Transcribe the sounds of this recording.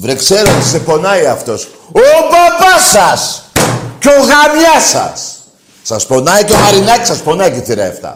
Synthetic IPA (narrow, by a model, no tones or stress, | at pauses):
vɾekseɾɐt̪isepo̞nɐiɐft̪o̞s | opapɐsɐs | coɣɐmɲɐsɐ̰sː | ɐspo̞nɐiceɐɾinɐcisɐspo̞nɐiceθiɾɐ̰eft̪ɐ̰